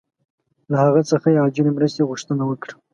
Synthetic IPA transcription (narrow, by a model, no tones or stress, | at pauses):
lahaɣət͡səxajeɑd͡ʒɪlemɾəst̪eɣʊʃt̪ənawəkɽ